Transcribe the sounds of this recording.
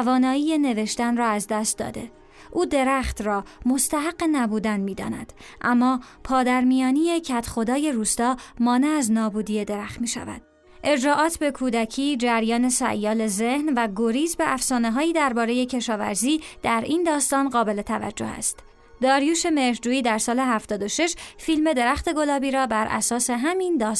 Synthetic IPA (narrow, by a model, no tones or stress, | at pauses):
vɒːnɒːiːje̞ne̞ve̞ʃt̪ænrɒːæzd̪æst̪̚d̪ɒ̰ːd̪e̞̰ | ʔuːd̪e̞ɾæχt̪rɒːmo̞st̪æɦæɡːenæbuːd̪ænmiːd̪ɒ̰ːnæ̰d̪̥ʔæmːɒːpʰɒːd̪æɾmijɒːniːjecʰæt̪ʰxo̞d̪ɒːje̞ɾuːst̪ɒːmɒːneæznɒːbuːd̪ije̞d̪e̞ɾæxt̪miːʃæ̰væ̰d̪̥̚ | ʔe̞d͡ʒɾɒːʔɒːt̪ʰbe̞kʰuːd̪æcʰiːd͡ʒæɾjɒːne̞sæ̰ʔjɒːle̞zehnvæɡoɾiːzbe̞ʔæfsɒːneɦɒːjiːd̪æɾbɒːɾe̞je̞cʰe̞ʃɒːvæ̰ɾziːd̪̥æɾiːnd̪ɒːst̪ɒːnɢɒːbe̞le̞t̪ʰævæ̰d͡ʒːo̞̰hæ̰st̪ | d̪ɒːɾjuːʃe̞me̞ɾhd͡ʒuːiːd̪æɾsɒːle̞ɦæft̪ɒːd̪oʃe̞ʃfilme̞d̪e̞ɾæxt̪e̞ɡo̞lɒːbiːɾɒːbæɾʔæ̰sɒːse̞ɦæmind̪ɒːs